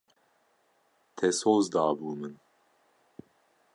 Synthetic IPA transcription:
t̪ʰɛsoːzd̪ɑːbuːmɨn

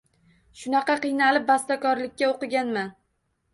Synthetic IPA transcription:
ʃʊnɑqɑqɨjnalɪp̚bast̪akɒɾlɪkʲːaoqɨɡʲanman

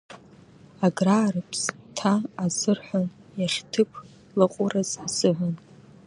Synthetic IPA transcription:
aɡraːrɨpʰstʰaːzɨrħʷan | jaʂtʰɨpʰ | laqʷʼʊraz̥sɨʕʷʊn

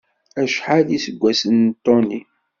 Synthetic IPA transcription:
æʃħaðisəɡʷːæsənt̪ːoni

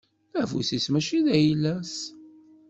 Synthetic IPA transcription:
ævṵsismæʃiðæjlːæs

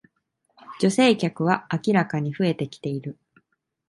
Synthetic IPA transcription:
d͡ʑo̞se̞ːkʲakɯ̟β̞aakʲiɾakaɲ̟iɸɯ̟e̞t̪e̞kʲi̥t̪e̞iɾɯ̟

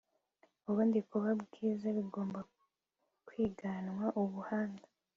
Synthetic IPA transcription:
uβuːndikuβabɡiːzaβiɡo̞ːmba | kwiːɡanwaʔuβuhaːnda

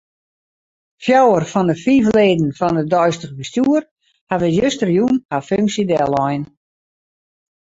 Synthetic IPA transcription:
fjɔwərfɔndəfivleːdn̩fɔndədɔjstəɣəbəstuər | havəjøstərjunaføŋksidɛlˠɔjn

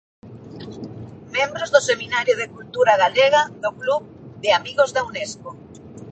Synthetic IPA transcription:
mẽmbɾozðoseminaɾjoð̞ekult̪uɾaɣaleɣ̞aðokluβ | ðɪamiɣozðaunesko

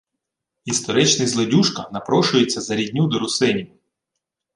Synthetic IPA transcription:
ist̪ɔɾɪt͡ʃnɪjzlˠɔdʲuʃkɐnɐpɾɔʃʊjet͡sʲːɐzɐɾʲidʲnʲud̪ɔɾʊsɪnʲi

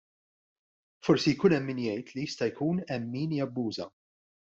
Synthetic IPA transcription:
fɔɾsijkuːnɛmːiːnjɛjt̪lijɪst̪ɐjkʰuːnɛmːiːnjɐbːuːzɐ̰

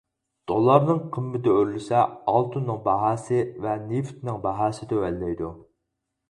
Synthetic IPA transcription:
d̪̥olˠɑɾnɨŋqʰəmːɪd̪ɛøɾlɪsɛɑlˠt̪ʰunːɨŋbɑɦɑːsɨvɛnift̪nɪŋbɑɦɑːsɨt̪øwɛlːɛjd̪u

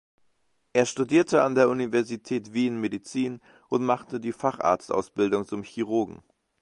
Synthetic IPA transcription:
ʔeːɐʃtudiːɐtʰəa̰ndeːɐʔunivɛɐzitʰɛːtv̥iːnmedit͡siːn | ʔʊntmaχtədiːfaχʔa̰ːɐt͡stʔa̰ʊsb̥ɪldʊŋt͡sʊmçiʁ̞ʊɐɡŋ̩

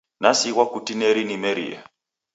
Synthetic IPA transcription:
nasiɣwakutineɾinimeɾḭːja̰

